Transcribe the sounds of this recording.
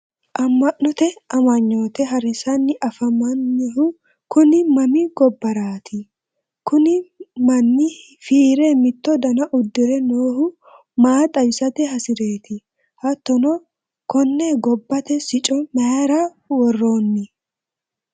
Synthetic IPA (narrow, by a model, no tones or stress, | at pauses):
ʔɐmːɐʔːɔt̪ɛɐmɐɲːo̞ːt̪ɛɦɐɾɪsɐnːɪʔɐfɐmːɐnːɛɦʊ | kʊnɪmɐmɪɡ̥ɔbːɐɾaːt̪ʰɪ | kʊnɪmɐnːɪ | fiːɾɛmɪt̪ːɔd̪ɐnɐʔʊd̪ːɪɾɛnoːhʊ | maːt̪ʼɐbɪsɐt̪ɛɦɐsɪɾe̞ːt̪ɪ | hɐt̪ːɔnɔ | kɔnːɛɡɔbːɐt̪ɛsɪt͡ʃʼɔmɐjaɾɐ | wɔrːo̞ːnːɪ